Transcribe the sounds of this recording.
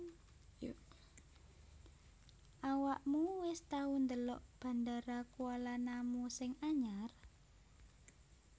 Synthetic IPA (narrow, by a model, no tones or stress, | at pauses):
ʔawaʔmuwɪst̪aund̪əlɔ̰ʔb̥a̤ndaɾakualanamusɪŋaɲar